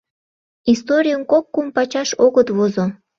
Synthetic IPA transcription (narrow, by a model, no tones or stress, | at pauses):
ist̪oɾʲijənkokːumpɑt͡ɕɑʃoɣət̪βozo